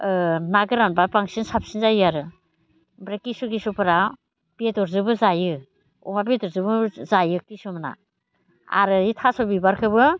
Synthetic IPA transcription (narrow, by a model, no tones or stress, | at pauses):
naɡɯɾanbapaŋsinsap̚sinzajɯaɾɯ | bɾakisuɡisupɯɾa | betɔɾzɯbɯzajɯ | ɔ̰mabedɔɾzɯbɯzajɯk̚tisumana̰ | a̰ɾɯitʰasɔbibaɾkʰɯbɯ